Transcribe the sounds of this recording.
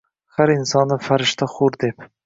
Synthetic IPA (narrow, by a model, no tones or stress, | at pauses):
haɾɪnsɒnːɪfaɾɪʃt̪ʰaχʊɾd̪ep